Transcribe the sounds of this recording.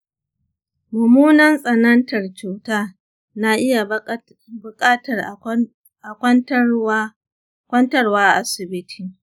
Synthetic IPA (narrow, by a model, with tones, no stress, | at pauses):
mʊ˨muː˦nɐ˦nsʼɐ˨nɐ˦ntɐ˨rt͡ʃuː˨taː˦ | na˦ʔɪ˦ja˨ | bʊ˨kʼaː˦tɐ˨r | ʔa˨kʷɐ˦nt | kʷɐ˦ntɐ˦rwaː˦ʔa˦sɪ˨bɪ˦tʰiː˨